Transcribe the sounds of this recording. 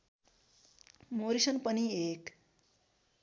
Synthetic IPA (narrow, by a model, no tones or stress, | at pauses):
moɾisʌnpʌniek